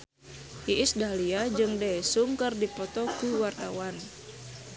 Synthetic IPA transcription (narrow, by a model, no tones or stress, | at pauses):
iʔisdaliad͡ʒɨŋdɛsuŋkɨrdipɔt̪ɔkuwart̪awan